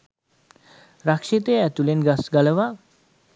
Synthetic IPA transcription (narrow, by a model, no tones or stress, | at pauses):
ɾakʂit̪eɛt̪ulenɡasɡaləʋa